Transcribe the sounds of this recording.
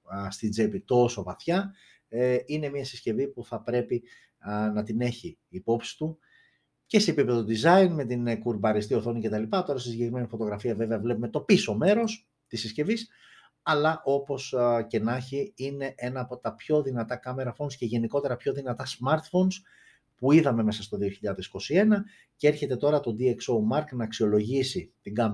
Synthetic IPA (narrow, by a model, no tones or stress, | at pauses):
st̪id͡zepit̪o̞so̞vɐθçɐ | ine̞miɐsisce̞vipuθɐpɾe̞pi | nɐt̪ine̞çiːpo̞psi̥t̪u | ce̞se̞ːpipe̞ðod̪izɐinme̞t̪inkuɾbɐɾist̪io̞θo̞nice̞t̪ɐlipɐt̪o̞ɾɐsisiɲɟe̞kɾime̞nifo̞t̪o̞ɣɾɐfiɐve̞veɐvle̞pume̞t̪o̞piso̞me̞ɾo̞s | t̪isisce̞vis | ɐlɐʔo̞po̞sce̞nɐçiine̞ʔe̞nɐːpo̞t̪ɐpço̞ðinɐt̪ɐkɐme̞ɾɐfo̞nsce̞ʝe̞niko̞t̪e̞ɾɐpço̞ðinɐt̪ɐsmɐɾt̪fo̞ns | puiðɐme̞me̞sɐst̪o̞ðio̞çiʎɐɐðisi̥ko̞sie̞nɐ | ceeɾçe̞t̪e̞t̪o̞ɾɐt̪o̞d̪iekso̞mɐɾknɐːksio̞lo̞ʝisit̪iŋɡɐm